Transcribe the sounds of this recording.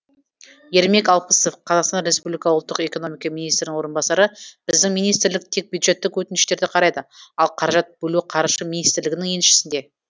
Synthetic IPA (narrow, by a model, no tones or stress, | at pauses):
je̞ɾme̞kɑlˠpəso̞fqʰɑzɑqst̪ɑnɾe̞spublijkɑʊlˠt̪ːəqe̞ko̞no̞mijkɑminist̪ɾɪnɪŋwo̞ɾənbɑsɑɾəb̥ɪɪzd̪ɪŋmijnijst̪ɪɾlɪk̚t̪ʰe̞k̚bjud̪ʒe̞t̪ːɪkwɵt̪ɪnɪʃt̪e̞ɾd̪ɪqʰɑɾɑjd̪əɑlˠqʰɑɾɑʒɑt̪̚b̥ɵluqʰɑɾʃəmijnijst̪ɪɾlɪɡʲɪnɪŋjenʃɪ̥sɪnd̪e̞